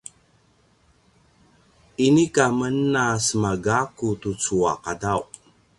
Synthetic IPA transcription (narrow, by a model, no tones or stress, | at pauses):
inikamənːasəmaɡakutut͡sua̰qadaw